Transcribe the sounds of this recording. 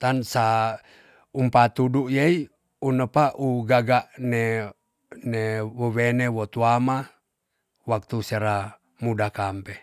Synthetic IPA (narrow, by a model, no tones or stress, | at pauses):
t̪ansa | umpat̪uduʔjei | unəpaʔuɡaɡaʔne | newowenewot̪uama | wak̚t̪useɾa | mudakampe